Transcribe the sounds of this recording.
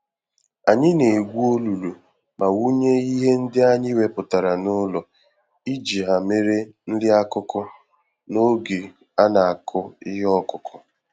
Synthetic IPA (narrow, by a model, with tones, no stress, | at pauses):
a˨ɲɪ˦ne˨ɡʷu˦o˦lu˨lu˨ | ma˨wu˦ɲe˦i˦ɦe˦n̩˦dɪ˦a˦ɲɪ˦we˨pʊ˨ta˨ɾa˨nʊ˦lɔ˨ | i˦d͡ʒi˨ɦa˨me˦ɾe˦n̩˦dɪ˦a˦kʊ˦kʊ˦ | no˦ɡe˨ | a˦na˨a˨kʰʊ˦ɪ˦ɦɔ˦kʊ˨kʰʊ˨